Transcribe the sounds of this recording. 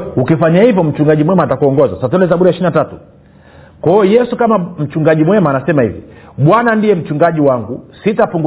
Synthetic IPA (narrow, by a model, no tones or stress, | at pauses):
ukifaɲahivjɔm̩t͡ʃuŋɡaʄimwɛmatakuɔŋɡɔzasat̬ɔnɛzaɓuɾiaiʃininatatu | kwaɔjɛsukamam̩t͡ʃuŋɡaʄimwɛmaːnasɛmahḭvḭ | ɓwanandijɛm̩t͡ʃuŋɡaʄiwaŋɡusitapuŋɡ